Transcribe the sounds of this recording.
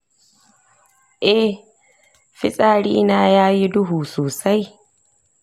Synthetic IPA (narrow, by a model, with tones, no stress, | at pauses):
ʔɛ˦ | ɸɪ˦sʼaː˦ɽiː˦naː˦jaː˦ji˦dʊ˦ɦuː˨soː˨sa˦j